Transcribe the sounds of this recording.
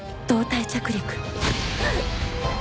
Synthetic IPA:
t̪oːt̪ajt͡ɕakɯɾʲikɯ̥

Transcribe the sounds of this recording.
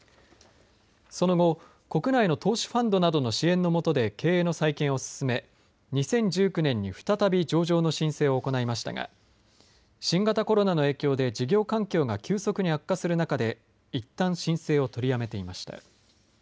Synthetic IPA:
so̞no̞ɡo̞ | ko̞kɯ̟naino̞t̪ʰo̞ːɕi̥ɸãnd̪o̞nad̪o̞no̞ɕiẽ̞nːo̞mo̞t̪o̞d̪e̞kʰe̞ːeːno̞saikẽ̞ɰ̃o̞sɨ̥sɨme̞ | ɲ̟isẽ̞ɲ̟d͡ʑɨːkɯ̟nẽ̞ɲ̟ːiɸɯ̟̥t̪at̪abʲid͡ʑo̞ːʑo̞ːno̞ɕĩɰ̃se̞ːo̞ːko̞naimaɕi̥t̪a̰ɡa̰ | ɕĩŋɡat̪ako̞ɾo̞nano̞e̞ːkʲo̞ːd̪e̞d͡ʑiɡʲo̞ːkãŋkʲo̞ːɡakʲɨːso̞kɯ̟ɲ̟ihakːasɨɾɯ̟nakad̪e̞ | it̪ːãɰ̃ɕĩɰ̃se̞ːo̞t̪o̞ɾʲiame̞t̪e̞imaɕi̥t̪a̰

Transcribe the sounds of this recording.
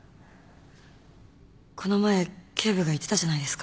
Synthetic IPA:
kʰo̞no̞mae̞kʲʰe̞ːβɯ̟ɡait̪ːe̞t̪aʑanaid̪e̞sɨ̥ka

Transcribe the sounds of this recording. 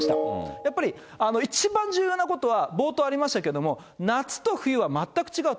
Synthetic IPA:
ɕi̥t̪ajapːaɾʲi | ano̞it͡ɕibãɲ̟d͡ʑɨːjonako̞t̪o̞βabo̞ːt̪o̞aɾʲimaɕi̥t̪ake̞d̪o̞mo̞ | nat͡sɨ̥t̪o̞ɸɯ̟jɯ̟βamat̪ːakɯ̥t͡ɕiɡaɯ̟

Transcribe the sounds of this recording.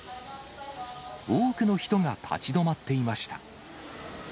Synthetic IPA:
oːkɯ̟no̞çi̥t̪o̞ŋat̪ʰa̰t͡ɕid̪o̞mat̪ːe̞imaɕi̥t̪a̰

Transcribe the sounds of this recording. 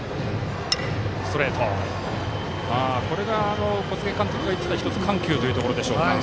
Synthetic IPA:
soɾeːt̪ʰo | aːko̞ɾe̞ɡaːno̞ko̞t͡sɨɡekãnt̪okʲiɡait̪ʲi̥t̪açʲi̥t̪ot͡sɨ̥kãŋkʲɨ̟ːt̪o̞iɯ̟ːt̪okoɾo̞d̪e̞ɕo̞ːa

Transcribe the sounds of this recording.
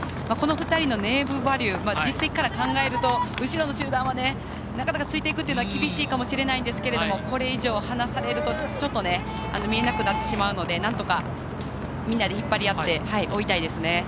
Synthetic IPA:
mako̞no̞ɸɯ̟t̪aɾʲino̞ne̞ːbɯ̟baɾʲɯːmad͡ʑisːeki̥kːaɾakãŋɡae̞ɾɯ̟t̪o̞ɯ̟ɕiɾo̞no̞ɕɨːd̪ãɰ̃βane̞ | nakanakat͡sɨit̪e̞ikɯ̟t̪ːeiɯ̟noakʲibʲiɕiːkamo̞ɕiɾe̞naĩnd̪e̞sɨ̥ke̞ɾe̞d̪o̞mo̞ko̞ɾe̞iʑo̞ːhanasaɾe̞ɾɯ̟t̪o̞t͡ɕo̞t̪ːo̞ne̞ | a̰no̞mʲie̞nakɯ̟nat̪ːe̞ɕimaɯ̟no̞d̪e̞nãnt̪o̞ka | mʲĩnːad̪eçipːaɾʲijat̪ːe̞haiʔo̞it̪aid̪e̞sɨne̞

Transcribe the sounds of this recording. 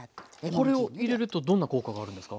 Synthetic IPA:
ko̞ɾe̞o̞iɾe̞ɾɯ̟t̪o̞d̪õ̞nːako̞ːkaɡaːɾɯ̟nd̪e̞sɨ̥ka

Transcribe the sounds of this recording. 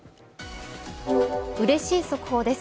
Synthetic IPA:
ɯ̟ɾe̞ɕiːso̞kɯ̟̥ho̞ːd̪e̞s

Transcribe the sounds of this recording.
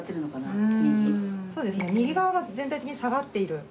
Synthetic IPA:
t̪ːeɾɯ̟nokanaiikʲiso̞ːd̪e̞sɨne̞mʲiɡʲiɡaβaɡazẽ̞nt̪ait̪ekiɲ̟isaɡat̪ːe̞iɾɯ̟

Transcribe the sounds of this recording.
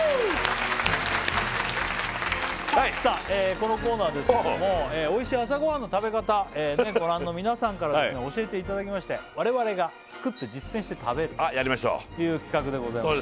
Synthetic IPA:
aisaːeːko̞no̞ko̞ːnaːβd̪e̞sɨnmoeːeːo̞iɕiːas̬aɡo̞ɦãnːo̞t̪abe̞kat̪aeːneɡo̞ɾãnːo̞mʲinasãŋkaɾad̪esɨneo̞ɕie̞t̪e̞it̪ad̪akʲimaɕi̥t̪e̞βaɾe̞βaɾe̞ɡa | t͡sɨ̥kɯ̟t̪ːe̞d͡ʑisːẽɕi̥t̪e̞t̪ʰabe̞ɾɯ̟ajaɾʲimaɕo̰ːt̪ːejɯ̟ːkʲi̥kakɯ̟d̪e̞ɡo̞zaia

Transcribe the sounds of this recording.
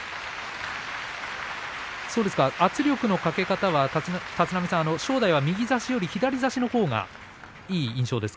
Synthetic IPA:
so̞ːd̪esɨ̥kaat͡sɨɾʲo̞kɯ̟no̞kake̞kat̪aβat̪at͡sɨnamʲisãano̞ɕo̞ːd̪aiβamʲiɡʲizaɕijo̞ɾʲiçid̪aɾʲizaɕino̞ho̞ːŋa̰ | iːĩɕo̞ːd̪e̞sɨ̥k

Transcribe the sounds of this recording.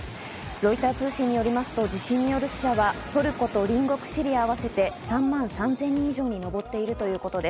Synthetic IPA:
ɾo̞it̪aːt͡sɨːɕĩɲ̟ːijo̞ɾʲimasɨ̥t̪o̞d͡ʑiɕĩɲ̟ːijo̞ɾɯ̟ɕi̥ɕaβat̪o̞ɾɯ̟ko̞t̪o̞ɾʲĩŋɡo̞kɯ̟̥ɕiɾʲiaːβase̞t̪e̞sãmːãɰ̃sãnzẽ̞ɲ̟ĩiʑo̞ːɲ̟ino̞bo̞t̪ːe̞iɾɯ̟t̪o̞jɯ̟ːko̞t̪o̞d̪e̞

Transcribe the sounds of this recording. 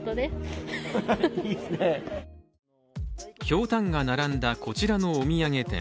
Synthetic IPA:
t̪od̪es | iːsɨne | kʲo̞ːt̪ãŋɡanaɾãnd̪ako̞t͡ɕiɾano̞ːmʲiaŋe̞t̪ḛ̃

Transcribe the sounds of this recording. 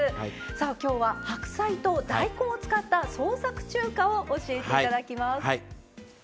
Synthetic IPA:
saːkʲo̞ːβahakɯ̟̥sait̪o̞d̪aiko̞ːt͡sɨ̥kat̪ːaso̞ːsakɯ̟̥t͡ɕɨːkaoʔoɕie̞teit̪ad̪akʲimas

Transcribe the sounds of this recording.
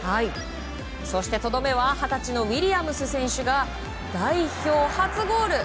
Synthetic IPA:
hai | so̞ɕi̥t̪e̞t̪o̞d̪o̞me̞βahat̪at͡ɕino̞βʲiɾʲiamɯ̟sɨsẽ̞ɰ̃ɕɨɡa | d̪̥aiço̞ːhat͡sɨɡo̞ːɾɯ̟

